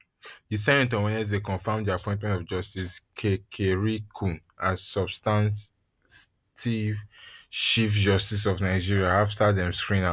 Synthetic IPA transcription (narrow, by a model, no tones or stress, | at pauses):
disɛ̃ɛ̃ntɔ̃wɛ̃nɛsdekɔ̃nfamdiapɔ̃ɪ̃tmɛ̃ntɔvd͡ʒɔstiskʰekʰeɹikʰũn | assɔbstãn | tivʃifd͡ʒɔstis̬ɔvnaɪd͡ʒiɹiaaftadɛ̃mskɹĩna